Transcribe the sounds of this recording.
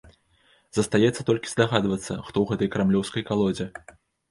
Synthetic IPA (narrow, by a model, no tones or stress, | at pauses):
z̥ɐst̪ajɛt̪sːɐt̪ɔlʲkʲi̥zd̪aɣad̪vɐt̪sːɐ̰xt̪ɔwɣɛt̪ɐjkɾamlʲɔwskɐjkalˠɔd͡zʲɛ